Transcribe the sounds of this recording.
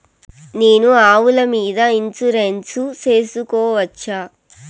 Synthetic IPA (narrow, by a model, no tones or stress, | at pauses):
ne̞ːnuaːʋulɐmiːd̪ɐint͡ʃuɾensut͡ʃe̞ːsukɔːʋɐt͡ʃːaː